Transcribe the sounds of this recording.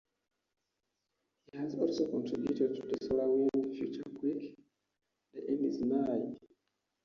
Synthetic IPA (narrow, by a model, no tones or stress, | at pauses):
hihazɔlsokɔ̃ntʰɹibjutɛd̚tʰuðəsɔlawilfjut͡ʃəkʰwik | dəʔɛ̃ndiznaɪd